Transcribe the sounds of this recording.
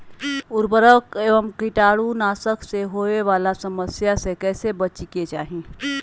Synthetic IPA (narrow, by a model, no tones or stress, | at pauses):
ʊɾbəɾəkeːʋəmkɪʈaːɽunaːsəkseɦoːeʋaːlasəməsjasekɛːsebət͡ʃiket͡ʃaːɦĩ